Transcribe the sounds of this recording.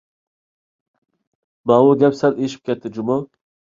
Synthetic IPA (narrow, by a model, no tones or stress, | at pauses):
bɑwʊɡʲɛpsɛleʃi̥p̚kʲʰɛt̪ʰːɪd͡ʒumu